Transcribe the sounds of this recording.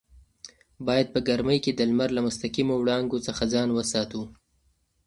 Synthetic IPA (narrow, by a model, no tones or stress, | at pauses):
bɑjad̪̚pəɡaɾməjked̪əlmaɾlamʊst̪aqimowɽɑŋɡot͡səxazɑnwəsɑt̪u